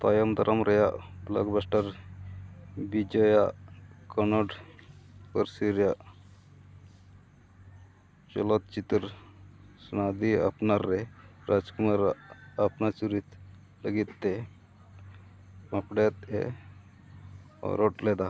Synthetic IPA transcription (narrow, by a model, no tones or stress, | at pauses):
t̪ajɔmd̪ɐɾʔəmɾəjaʔbla̰ɡbasʈəɾ | bid͡ʒɔjaʔkɔnɔɖ | pəɾsiɾjaʔ | t͡ʃɔ̰lɔt̪̚t͡ʃit̪ɾ | snad̪ia̰pnaɾːeɾʔad͡ʒkumaɾapnat͡ʃuɾit̪ | ləɡit̪ːe | apɽet̪ḛ | ɾoʈlɛd̪a